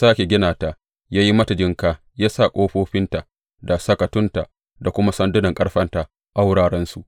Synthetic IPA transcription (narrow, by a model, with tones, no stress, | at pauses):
saː˦kʲe˨ɡʲɪ˦naː˨ta˨ | jaː˦ji˦mɐ˦ta˨d͡ʒɪ˦ŋkaː˨ | jaː˦sa˦˨kʷʼoː˦ɸoː˦ɸɪ˦nta˨ | da˨sɐ˦kɐ˨tʊ˦nta˨ | da˨kʷʊ˦ma˦sɐ˦ndʊ˦nɐ˨ŋkʼɐ˦ɽɸɐ˦nta˨ | ʔa˦wɽaː˨ɽɛ˦nsu˨ʔ